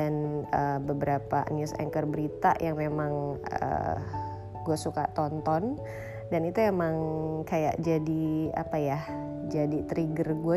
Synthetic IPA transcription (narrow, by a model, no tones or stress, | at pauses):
anəbəbəɾapanusɛ̰ŋkərbəɾit̪a̰jaŋmemaŋə̰ | ɡuasuka̰t̪ɔnt̪ɔn | danit̪uemaŋkaja̰ʔd͡ʒadia̰pajah | d͡ʒadit̪ɾiɡərɡua